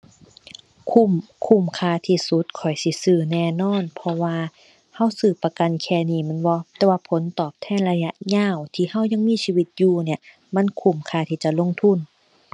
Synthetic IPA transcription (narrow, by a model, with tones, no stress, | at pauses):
kʰu˧˩˨mkʰu˧˩˨mkʰaː˧˩t̪ʰiː˧˩su˧˦t̪̚kʰɔ˨˩jsi˧˦sɯː˧˩nɛː˧˩nɔː˧˥˨npʰɔ˧waː˧ | ha˧˥˨wsɯː˧˩pa˧ka˧˨nkʰɛː˧˩niː˧˩mɛ˧˥˨nbɔ˧t̪ɛː˧waː˧pʰo˨˦nt̪ɔː˨˩p̚t̪ʰɛː˧˥˨nla˧ja˧ʔɲaː˧˥˨wt̪ʰiː˧˨ha˧˥˨wɲa˧˨ŋmiː˧˥˨siː˧wi˧˦t̪̚juː˧ni˧˩ɐ | ma˧˥˨nkʰu˧˩mkʰaː˧˩t̪ʰiː˧˩t͡ɕa˧˨lo˧˥˨ŋt̪ʰu˧˥˨n